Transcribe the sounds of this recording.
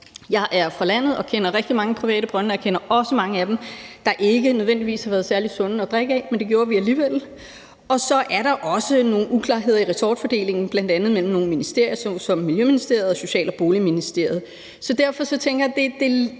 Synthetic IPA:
jɑ̈ɪʔæɐfɒlæn̰ð̩ˠɒ̽kʰen̰ɐʁɛɡ̥d̥imɑ̈ŋəpʰʁiʋɛ̰ːɾəb̥ʁɶnjɑkʰenɐɒ̽səmɑ̈ŋəæd̥emd̥ɑ̈ʔe̝ɡ̥ənøð̞ˠʋendiʋḭːshɑʋæːɐð̞̩ˠsæɐlid̥sɔ̽n̰əɒ̽d̥ʁɛɡ̥əɛmend̥e̝ɡ̥jo̝ːɐʋiæliːʋel̰ | ɒ̽sɒ̽ʔæɐɾ̥ɑ̈ʔɒ̽səno̝ːn̩ukʰlɑ̰̈ːɦe̝ð̞̰ˠɐiʁɛsɒːd̥fɒd̥e̝̰ːle̝ŋn̩b̥læn̰d̥ænð̞̩ˠmel̰m̩no̝ːn̩minisd̥e̝ɐ̰jɐssɒ̽mːiljøminisd̥e̝ɐ̰ð̩ˠɒso̝ɕɛ̰ːlɒb̥o̝ːliminisd̥e̝ɐ̰ð̞̩ˠ | sɒ̽d̥æɐ̰fɒ̽sɒ̽t͡sʰeŋ̰ɡ̥ɐjad̥e̝d̥e̝

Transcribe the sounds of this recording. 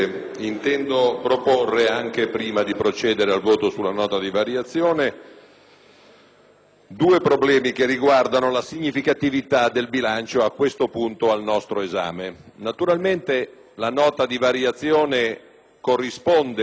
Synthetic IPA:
int̪ɛnd̪opɾoporːeaŋk̟epɾiːmad̪ipɾot͡ʃɛːd̪eɾealvoːt̪osulːanɔːt̪ad̪ivaɾjat̪sːjoːne | d̪uːepɾoblɛːmik̟erːiɡward̪anolasiɲːifikat̪ivit̪ad̪elbilant͡ʃoakːwest̪opunt̪oalnɔst̪ɾoeza̰ːmenat̪uɾalment̪e | lanɔːt̪ad̪ivaɾjat̪sːjɔːne | korːispond̪e

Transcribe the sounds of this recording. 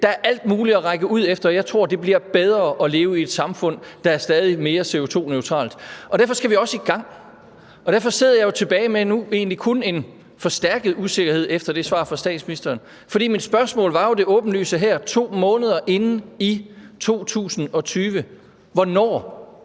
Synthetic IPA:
d̥ɑ̈æɐʔæl̰d̥̚muːliɒʁɑ̈ɪɡ̥əʔuð̞̰ˠefd̥ɐɒjɑ̈ɪt͡sʰʁo̝ɐ̰d̥e̝b̥liɐb̥eð̞ˠʁɐːʔɒ̽le̝ːʊəie̝d̥sɑ̈mfɔ̽n̰d̥ɑ̈æɐsd̥ɛːð̞ˠime̝ːɐse̝o̝t͡sʰo̝̰ːnøʊt͡sʰʁɑ̰̈ːld̥ɒdæɐfɒ̽sɡ̥æʋiɒ̽səiɡ̥ɑ̈ŋ̰ | ɒd̥æɐfɒ̽se̝ðˠɐjɑ̈jo̝t͡sʰe̝b̥ɛːɪmenue̝ːnlikʰɔne̝n | fɒ̽sd̥æɐɡ̥əð̩ˠuse̝ɡ̥ɐhe̝ð̞̰ˠefd̥ɐd̥e̝sʋɑ̰̈ːfɒ̈sd̥ɛ̰ːd̥sminisd̥ɐːn | fɒɾḭːmid̥sb̥ɶɐsmɔ̰̽ːlʋɑ̈jo̝d̥e̝ʔɔ̽ːb̥n̩ly̰ːsəɦæɐ̰t͡sʰo̝̰ːmɔ̽ːnəð̞ˠɐʔe̝n̩it͡sʰo̝̰ːt͡sʰṵːsn̩ɒ̽t͡sʰyːʋə | ʋɒnɒ̰ː

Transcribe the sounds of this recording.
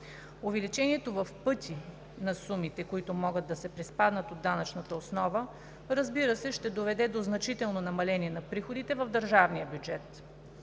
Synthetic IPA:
ovɛlit͡ʃɛniɛt̪ovɐfpɤt̪ʲʰi | nɐsumit̪ɛkoit̪ʊmɔɡəd̪ːɐsɛpɾɛspad̪nɐt̪od̪ːanɐt͡ʃnɐt̪əosnɔvə | ɾɐzbiɾəsɛʃt̪ɛd̪ovɛd̪ɛd̪oznɐt͡ʃit̪ɛlˠnonɐmɐlɛnʲiɛnɐpɾixod̪it̪ɛvɐvd̪əɾʒavniəbʲjud͡ʒɛt̪

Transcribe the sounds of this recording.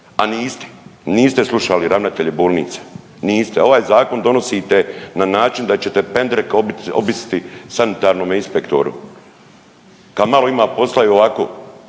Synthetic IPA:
aniːst̪e̥niːst̪eslˠuʃaliɾaʋnat̪eʎiboːlnḭːt̪sḁ | niːst̪eo̞ʋaːjzaːko̞nd̪o̞nosiːt̪e̞nanaːt͡ʃind̪at͡ɕet̪e̞pe̞nd̪ɾekobit̪o̰bisi̥t̪isanit̪aːɾno̞ːminspekt̪o̰ɾṵ | kad̪malo̞imaːpo̞slˠajoʋakoː

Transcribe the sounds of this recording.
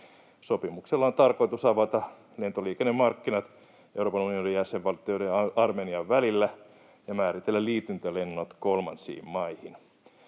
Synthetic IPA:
sopimukselːɑont̪ɑrkoit̪usɑʋɑt̪ɑ | le̞nt̪oliːkenːemɑrkːinɑt̪ | euɾroːpɑnunionijæseʋʋɑlt̪ioideɑrmeːniɑʋʋælilːæ | jɑmæːrit̪elːælliːt̪ynt̪ølenːot̪kolmɑnsḭːmmɑihin

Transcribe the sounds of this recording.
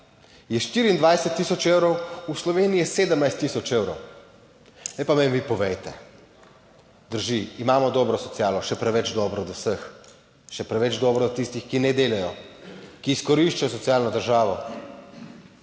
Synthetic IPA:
jɛʃt̪iːɾiːnd̪ʋajsɛt̪ːisɔt͡ʃewɾɔwuslɔʋeːniɛseːd̪əmnajst̪ːisɔt͡ʃeːwɾɔw | nɛjpamemʋipɔʋɛjt̪ɛ | d̪əɾʒiːmaːmɔd̪ɔːbɾɔsɔt̪sijaːlɔʃɛpɾɛʋɛd͡ʒd̪ɔːbɾɔd̪ɔwsəx | ʃɛpɾɛʋɛd͡ʒd̪ɔːbɾɔd̪t̪ist̪ixkinɛd̪eːlɛjɔkiːskɔɾiʃt͡ʃajɔs̬ɔt̪sijaːlnɔd̪əɾʒaːʋɔ

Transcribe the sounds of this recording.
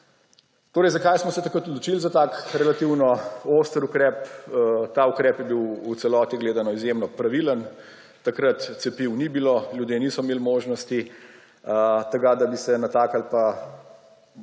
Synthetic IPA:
t̪oːɾɛjzakajsmɔsɛt̪ɐkɾət̪ɔd̪lɔt͡ʃilzat̪aːkɾɛlat̪iwnɔost̪əɾukɾɛːpt̪aukɾɛːpjɛbiwut̪sɛlɔːt̪iɡleːd̪anɔizjemnɔpɾaʋilən | t̪akɾət̪sɛpiwnibiloːljud̪jeːniːsɔmeːlmoːʒnɔst̪i | t̪ɐɡad̪abisɛnat̪aːkalpa

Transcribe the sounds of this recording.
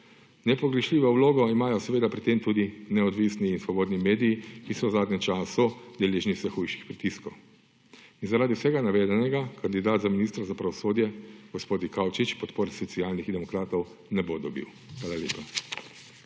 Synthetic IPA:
nɛpɔɡɾɛʃliːʋɔwloːɡɔimaːjɔsɛʋeːd̪apɾit̪eːmt̪uːd̪inɛɔd̪ʋisniːnsʋɔboːd̪nimeːd̪ijikisɔwzaːd̪nɲɛmt͡ʃaːsud̪ɛleːʒniwsɛxujʃixpɾit̪iskɔw | inzaɾaːd̪iwsɛɡanaʋɛːd̪ɛnɛɡakand̪id̪aːt̪zaminist̪ɾazapɾaʋɔsoːd̪jɛɡ̥ɔspoːd̪ikawt͡ʃit͡ʃpɔt̪poːɾsɔt̪siaːlnixd̪ɛmɔkɾaːt̪ɔw | nɛbod̪ɔbḭw | xʋaːlalʲḛːpa

